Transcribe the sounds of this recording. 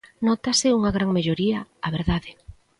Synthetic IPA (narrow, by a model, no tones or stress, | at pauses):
nɔt̪asɪuŋaɣɾaŋmeʎoɾiɐaβeɾðaðɪ